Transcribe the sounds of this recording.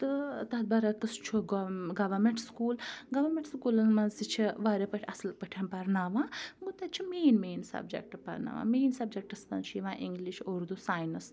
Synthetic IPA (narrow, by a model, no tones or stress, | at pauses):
t̪ɨt̪ɐt̪̚bɐɾak̪ɐst͡ʃʰuɡɡɐʋɐɾmẽɳʈskuːlɡɐʋɐɾmʲẽɳʈskuːlɐnmɐzit͡ʃʰiʋaːɾepɐʈʰʲɐsɨlpɐʈʰanpɐɾnaːʋãːɡut̪at̪̚t͡ʃʰimeːnmeːnsɐ̰bd͡ʒḛk̚ʈpɐ̰ɾna̰ʋã̰ːmeːnsɐbd͡ʒek̚ʈɐst̪ɐ̰nt͡ʃʰiʋãːʔiŋɡliʃoɾd̪usaːjnɐs